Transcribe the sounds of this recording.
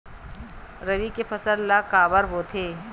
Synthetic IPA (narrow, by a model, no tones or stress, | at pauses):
ɾɐʋikepʰɐsəɾlakaːʋəɾboːt̪ʰeː